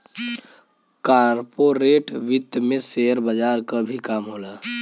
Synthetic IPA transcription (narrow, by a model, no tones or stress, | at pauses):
kaːɾɾpoɾeːʈʋɪd̪mẽseːjəɾbəd͡ʒaːɾkabʱikaːmɦoːlaː